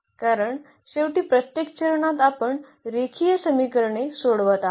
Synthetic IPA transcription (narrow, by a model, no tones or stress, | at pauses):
kaɾəɳ | ɕeʋʈiːpɾət̪jekt͡ɕəɾɳat̪apəɳ | ɾekʰijəsəmikəɾɳesoɽʋat̪a